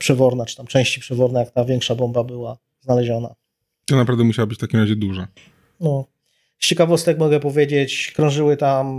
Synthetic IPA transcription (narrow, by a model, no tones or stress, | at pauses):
pʂɛvɔɾnat͡ʂɨ̥t̪amt͡ʂɛ̃w̃ɕt͡ɕipʂɛvɔɾnajakt̪avʲjɛŋkʂabɔmbabɘwa | znalɛʑɔna̰ | t̪ɔnapɾavd̪ɛmuɕawabɘt͡ɕft̪akʲimɾaʑɛd̪uʐa | nɔ | st͡ɕɛkavɔst̪ɛkmɔɡɛpɔvʲjed͡ʑet͡ɕkɾɔ̃w̃ʐɘwɘt̪am